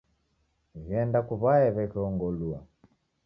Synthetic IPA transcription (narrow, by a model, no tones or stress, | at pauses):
ɣɛndakuβaɛβɛkɛɔŋɡɔlua